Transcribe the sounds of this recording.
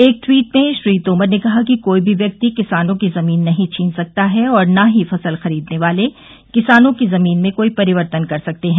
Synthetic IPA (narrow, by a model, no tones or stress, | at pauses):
eːk̚ʈwiːʈ̚mẽʃɾiːt̪oːməɾnekɐɦakikoːibʱiʋjɐk̚t̪ikɪsaːnõkizɐmiːnːɐɦĩt͡ʃʰĩːnsɐk̚t̪aɦɛɔːɾnaɦifɐsəlxɐɾiːd̪neʋaːle | kɪsaːnõkizɐmiːnmẽkoːipɐɾɪʋəɾt̪ənkɐɾsɐk̚t̪eɦɛ̃ː